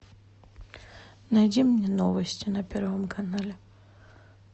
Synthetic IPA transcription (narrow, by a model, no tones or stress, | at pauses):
nɐjdʲimːnʲenovəsʲtʲɪnɐpʲeɾvəmkʰɐnalʲɪ